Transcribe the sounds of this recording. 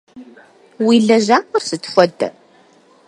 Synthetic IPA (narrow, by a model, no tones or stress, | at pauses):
wilːæʒæʊɾsət̪ːfæd̪ː